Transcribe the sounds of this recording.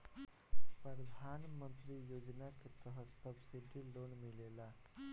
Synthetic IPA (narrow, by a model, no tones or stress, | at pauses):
pɾɾəd̪ʱanmənt̪ɾijod͡ʒnaket̪əɦət̪səbsiɖʱilonmilela